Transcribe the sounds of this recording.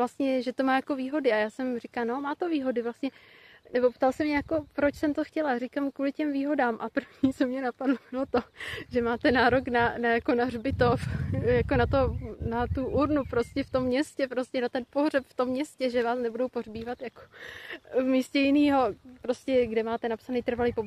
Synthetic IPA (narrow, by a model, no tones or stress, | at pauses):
last̪ɲɛʒɛt̪o̞maːjako̞viːɦo̞dɪajaːsɛmrɪkalno̞maːt̪o̞viːɦo̞dɪvlast̪ɲɛnɛbo̞pt̪alsɛmɲɛjako̞pɾot͡ʃsɛmt̪o̞xcɛlarɪkamkuːlɪcɛmviːɦo̞daːmʔapr̩vɲit͡somɲɛnapadlomɪlot̪oʒɛmaːt̪ɛnaːɾo̞knanajako̞narbɪt̪ofjakonat̪onat̪uʔuɾnupɾo̞scɛft̪o̞mːɲɛscɛpɾo̞scɛnat̪ɛnpo̞ɦrɛpft̪omːɲɛscɛʒɛvaːsnɛbudowporbiːvat̪jako̥ | vmiːscɛjɪniːɦo̞pɾo̞scɛɡdɛmaːt̪ɛnapsanɛjt̪r̩valijpob